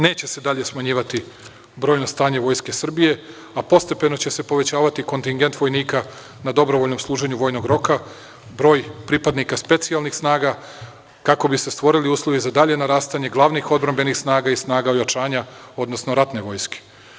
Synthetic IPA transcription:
ne̞ːt͡ɕe̞se̞d̪aʎe̞smaɲiːʋat̪i | bɾojno̞st̪aːɲe̞ʋo̞jske̞sr̩bije̞ | apo̞st̪epe̞no̞t͡ɕe̞se̞po̞ʋe̞t͡ɕaːʋat̪iko̞nt̪iŋɡent̪ʋo̞jniːka | nad̪o̞bɾo̞ʋoʎno̞mslˠuːʒe̞ɲuʋo̞ːjnoɡɾo̞ka | bɾo̞ːjpɾipad̪nikaspe̞t̪sialˠnixsnaːɡa | kako̞bise̞st̪ʋo̞ɾiliuːslˠo̞ʋizad̪aʎe̞naɾaːst̪aɲe̞ɡlˠaʋnixo̞d̪̚bɾambe̞nixsnaːɡaisnaːɡaojat͡ʃaːɲa | o̞d̪nosno̞ɾat̪ne̞ʋo̞jske̥

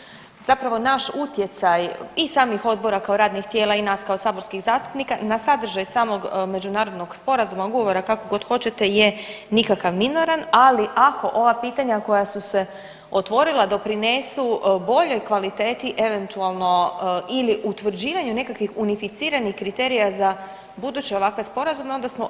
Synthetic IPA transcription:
z̥apɾaʋo̞naʃut̪je̞t̪sajisaːmixo̞d̪̚bo̞ɾakao̞ɾaːd̪nixt̪jeːlˠainaːskaosaːbo̞ɾskixzaːst̪u̥pnikanasad̪r̩ʒajsaːmo̞ɡme̞d͡ʑunaːɾo̞d̪no̞ɡ̥spo̞ɾazumaɡooʋo̞ɾakako̞ɡo̞d̪xo̞t͡ɕe̞t̪e̞je | nikakaʋmino̞ɾanaliʔako̞ʔo̞ʋapiːt̪aɲako̞jasuse̞ | o̞t̪ʋo̞ɾilad̪o̞pɾine̞subo̞ʎo̞jkʋalit̪e̞ːt̪iʔe̞ʋe̞nt̪ualˠno̞iliʔut̪ʋr̩d͡ʑiːʋaɲune̞kakʋixunifit̪siːɾanixkɾit̪e̞ːɾijaza | bud̪ut͡ɕeo̞ʋakʋe̞spo̞ɾazume̞o̞nd̪asmo

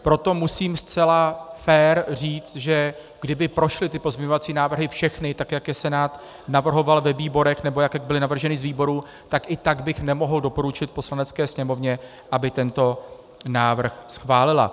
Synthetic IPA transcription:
pɾo̞t̪o̞musiːmst͡sɛlafɛːɾriːt͡st̪ʒɛ | ɡ̥dɪbɪpɾo̞ʃlɪt̪ɪpo̞zmɲɛɲo̞vat͡siːnaːvr̩ɦɪfʃɛxnɪt̪akjakjɛsɛnaːt̪ | navr̩ɦo̞valvɛviːbo̞ɾɛxnɛbo̞jakjaɡ̚bɪlɪnavr̩ʒɛnɪzviːbo̞ɾu | t̪akʔɪt̪aɡbɪxnɛmo̞ɦl̩do̞po̞ɾut͡ʃɪt̪̚po̞slanɛt͡skɛːsɲɛmo̞vɲɛ | ʔabɪt̪ɛnt̪o̞ | naːvr̩xsxvaːlɪla̰

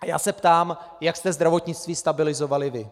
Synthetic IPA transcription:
aja̰ːsɛpt̪aːm | jakst̪ɛzd̪ɾavo̞t̪ɲɪt͡st̪viːst̪abɪlɪzovalɪvɪ

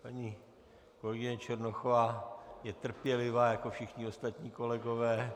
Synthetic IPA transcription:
paɲi | ko̞lɛɡɪɲɛt͡ʃɛɾnoxovaːjɛt̪r̩pjɛlɪvaːjako̞fʃɪxɲɪo̞st̪at̪ɲiːko̞lɛɡo̞vɛː

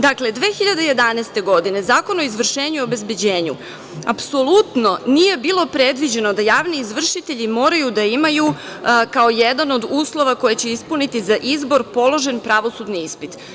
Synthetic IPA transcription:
d̪akle̞d̪ʋe̞ːxiʎad̪eje̞d̪anɛːst̪e̞ɡo̞d̪ine̞zaːko̞noizʋr̩ʃe̞ːɲuiobe̞zbe̞d͡ʑe̞ːɲṵ | a̰pso̞lˠut̪no̞nije̞biːlˠo̞pɾed̪ʋid͡ʑe̞no̞d̪ajaːʋniːzʋr̩ʃit̪e̞ʎimo̞ːɾajud̪aimaju | kao̞jed̪ano̞d̪uːslˠo̞ʋako̞jet͡ɕe̞ispunit̪izaʔizbo̞ɾpo̞lˠo̞ʒe̞npɾaʋo̞sud̪niispit̪

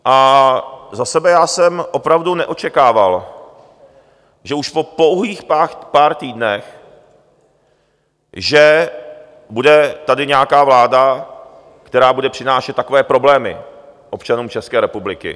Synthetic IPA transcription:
ʔa | zasɛbɛjaːsɛmʔo̞pɾavdunɛʔo̞t͡ʃɛkaːval | ʒɛuʃpo̞po̞wɦiːxapaːɾt̪iːdnɛx | ʒɛ | budɛt̪adɪɲɛakaːvlaːda | kt̪ɛɾaːbudɛpr̥ɪnaːʃɛt̪t̪ːako̞vɛːpɾo̞blɛːmɪ̰ | ʔo̞pt͡ʃanuːmt͡ʃɛskɛːɾɛpublɪkɪ̰

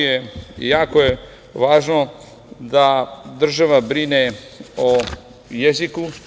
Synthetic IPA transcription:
ejaːkoje | ʋaːʒno̞ | d̪ad̪r̩ʒaʋabɾine | o | jeziku

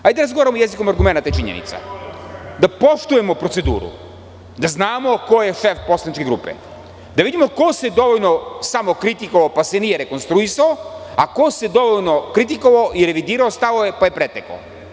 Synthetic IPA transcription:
ajd̪d̪aɾazɡoaɾamojeziko̞maɾɡume̞nat̪at͡ʃiɲḛnḭt̪sa̰ | d̪apo̞ʃt̪uje̞mo̞pɾose̞d̪ṵːɾṵ | d̪aznaːmo̞ko̞jeʃefpo̞slˠanit͡ʃkeɡɾṵːpḛ | d̪aʋid̪imo̞ko̞se̞d̪o̞ʋoʎnosamo̞kɾit̪ikoʋaopasenije̞ɾe̞ko̞nst̪ɾuisaoako̞se̞d̪o̞ʋoʎno̞kɾit̪̬ikoʋaoʔiɾe̞ʋid̪iːɾaost̪aʋoepaje̞pɾet̪eko̰

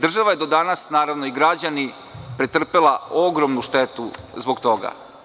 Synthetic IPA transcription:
d̪r̩ʒaʋajed̪o̞d̪anasnaːɾaʋnoiɡɾad͡ʑani | pɾet̪r̩pelˠao̞ɡɾo̞mnuʃt̪et̪uzbo̞ɡt̪o̞ɡa̰

